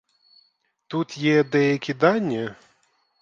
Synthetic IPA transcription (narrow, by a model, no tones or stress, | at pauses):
t̪ut̪jɛd̪ɛjɐkʲid̪anʲːɐ